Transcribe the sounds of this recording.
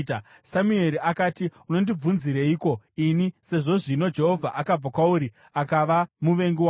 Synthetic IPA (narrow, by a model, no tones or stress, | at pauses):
t | samue̞ɾiakaːtiuno̞ndib͡vunziɾeiːko̞inise̞ʐo̞ʐino̞d͡ʒe̞ɦo̞vʱaʔakab͡vakwauɾi | akaʋamuʋe̞ŋɡiwa